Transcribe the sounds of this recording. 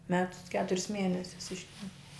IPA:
ˈmʲæːtʊs ɪ ˈkʲæːtʊrʲɪs ˈmʲiɛnʲɛsʲʊs ˈɪʃʲtʲɛmʲpʲɪ

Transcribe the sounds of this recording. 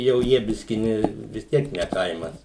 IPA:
jɛʊ ˈjiɛ ˈbʲɪsʲkʲɪ ˈnʲɛ ʋʲɪs ˈtʲiɛk nʲɛ ˈkɐɪmɐs

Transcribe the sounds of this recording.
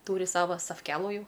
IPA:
ˈtuːrʲɪ ˈsɑːʋoː sɐfʲˈkʲæːlˠuː ˈjɛʊ

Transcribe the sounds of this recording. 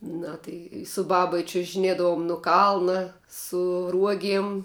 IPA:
ˈnɐ tɐɪ sʊ ˈbɑːbɐ ɪ t͡ʃʲʊʒʲɪˈnʲeːdɐʋʊm nʊ ˈkɐlˠnɐ sʊ ˈruɔɡʲiɛm

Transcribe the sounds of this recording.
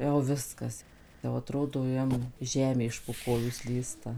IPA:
jɛʊ ˈʋʲɪskɐs jɛʊ ɐˈtroːdoː ˈjɛm ˈʒʲæːmʲeː ɪʃ poː ˈkoːjuː ˈsʲlʲiːstɐ

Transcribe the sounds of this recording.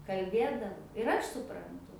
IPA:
kɐlʲˈbʲeːdɐw ɪr ˈɐʃ sʊprɐnˈtʊ

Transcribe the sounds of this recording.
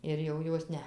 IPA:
ɪr jɛʊ ˈjoːs ˈnʲɛ

